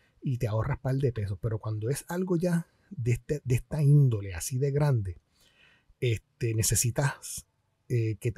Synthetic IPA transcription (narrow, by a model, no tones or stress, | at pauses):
it̪eao̞rahpald̪eepe̞so̞pe̞ɾo̞kwand̪o̞e̞salɡo̞ʝa | d̪et̪ed̪e̞st̪aind̪o̞le̞a̰siðe̞ɣɾand̪e̞ | e̞st̪e̞ne̞se̞sit̪as | eke̞t̪